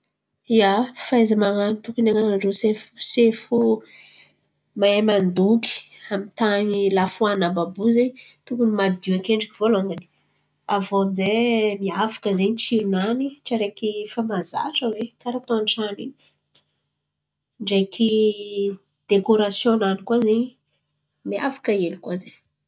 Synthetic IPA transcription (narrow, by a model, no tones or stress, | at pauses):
jafajzamaŋanit̪ukinaŋanaɳɖ͡ʐosefsefu | maemand̪uki̥ | amit̪aɲilafuanababuzeɲt̪ukumad̪iakeɳɖ͡ʐiki̥v̥oloŋɡani̥ | avonzemiavḁkəzeɲit͡ʃiɾunanit͡ʃaɾekifamaza̰ʈ͡ʂəwekaɾat̪oanʈ͡ʂanḭni | ɳɖ͡ʐekʰi | d̪̥ekoɾasjonanikwazeɲi | mia̰vḁkəelikwazeɲ